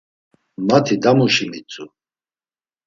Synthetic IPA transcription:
mat̪ʰid̪amuʃimit͡sʼu

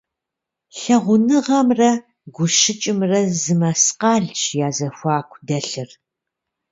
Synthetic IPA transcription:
ɬɐʁʷʊnɨʁɐmrɐ | ɡʷʊʃɪt͡ʃʼɪmrɐzɨmɐsqɑːɮt͡ʃjaːzɐxʷɑːkʷʰdɐɬɨr

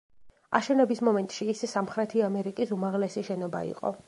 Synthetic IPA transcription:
a̰ʃɛnɛbismɔmɛnt̪ʼʃiːssamχɾɛt̪ʰiamɛɾikʼisumaʁlɛsiʃɛnɔba̰ḭqʼɔ̰

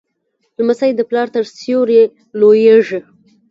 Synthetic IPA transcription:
lmasajd̪əplɑɾt̪əɾsjoɾje | lojeʐi

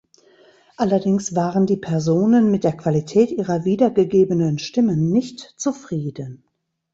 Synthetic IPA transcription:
ʔalɐdɪŋsv̥aːʁəndiːpʰɛɐzoːnənmɪt̚d̥eːɐkv̥alitʰɛːtʔiːʁɐviːdɐɡəɡeːbənənʃtɪmənːɪçtt͡sufʁ̥iːdən

